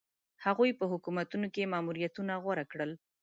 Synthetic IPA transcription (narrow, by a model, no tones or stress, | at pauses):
haɣujpəɦʊkumat̪unokemɑmuɾijat̪unaɣwaɾakɽəl